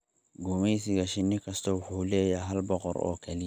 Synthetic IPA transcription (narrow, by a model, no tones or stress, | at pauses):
ɡumesiɡɐʃinːikɐst̪ɔwʊħuːlɛːjaɦɐlbɔqɔ̰ɾɔ̰ːkʰɛli